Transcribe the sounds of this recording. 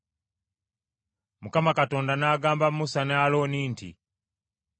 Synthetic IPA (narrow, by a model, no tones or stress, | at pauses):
mukamakatoːndanaːɡaːmbamusanaloniːntʰḭ